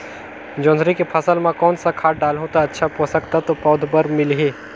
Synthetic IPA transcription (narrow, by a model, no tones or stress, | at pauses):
d͡ʒõːnd̪ɾikepʰɐsəlmãkɔːnsakʰaːʈ̚ɖaːlɦõt̪aɐtːʃʰaposɐkt̪at̪opɔːd̪ʱbəɾmɪlɦeː